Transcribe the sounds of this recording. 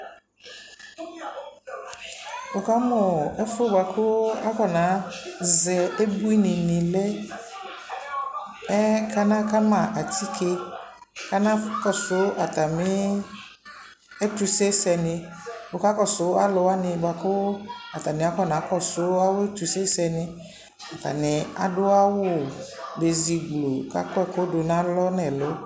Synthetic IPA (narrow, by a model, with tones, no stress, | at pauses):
ʊ˨ka˦mʊ˨ɛ˦fʊ˦ba˨kʰʊ˦a˦kɔ˨nã˨˦zɛ˨e˦bu˦i˦nɪ̃˨nɪ̃˨lɛ˦ | ɛ˦kʰa˦nã˦ka˦mã˨ʔa˨tʰi˦kʰe˦ | ka˦nã˦kɔ˨sʊ˨˦a˨t̪a˨mɪ˦ | e˦t̪u˦se˦sɛ˨nɪ̃˨wo˨ka˦kɔ˦sʊ˨˦a˦lʊ˨˦a˦nɪ̃˨ba˨kʊ˦a˨t̪a˨mɪ̃˨a˦kɔ˦˨nã˨˦kɔ˦˨sʊ˦a˦wʊ˦e˦tu˨se˦sɛ˨nɪ̃˨ | a˨t̪a̰˨nɪ˨a̰˨dʊ˦a˦wʊ˦˨ | be˨zi˨ɡlo˨ka̰˦kɛ˦˨kʊ˦dʊ˨nã˨˦lɔ˦nɛ̃˨lo˦